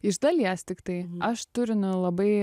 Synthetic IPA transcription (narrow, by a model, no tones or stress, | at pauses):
ɪʒd̪ɐlʲiɛst̪ʲɪkt̪ɐɪɐʃt̪ʊɾʲɪnʊlˠɐbɐɪ